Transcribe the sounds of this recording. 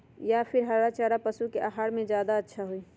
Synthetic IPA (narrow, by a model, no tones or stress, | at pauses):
japʰɪɾɦəɽat͡ʃaːɾapəsukeʔaɦaːɽmẽd͡ʒjaːd̪aətːʃʰaɦoiː